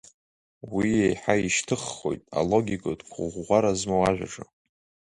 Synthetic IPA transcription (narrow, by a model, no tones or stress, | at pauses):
wiejħaiʃtʰɨχːo̞̰jtʼa̰lo̞ɡʲikʼodkʷʰʼʊʁːʷaɾazmowaʒᶣʷa̰ʈ͡ʂʼɨ